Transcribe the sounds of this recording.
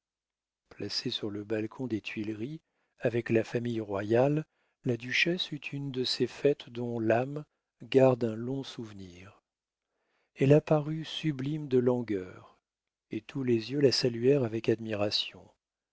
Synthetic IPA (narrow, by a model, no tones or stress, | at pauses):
plasesyʁləbalkʰɔ̃d̪et̪ɥilʁi | avɛklafamijʁwajalː | ad̪yʃɛsyt̪ʰynd̪əsefɛt̪d̪ɔ̃lam | ɡaʁd̪ɛ̃lɔ̃suvniːʁ | ɛlapaʁysyblimd̪əlɔ̃ɡœʁ | et̪ʰulezjølasalyɛʁavɛkad̪miʁasjɔ̃